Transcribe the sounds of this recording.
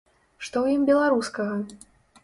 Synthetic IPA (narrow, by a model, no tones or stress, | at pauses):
ʂt̪ɔwjimbʲɛlˠaɾuskɐɣɐ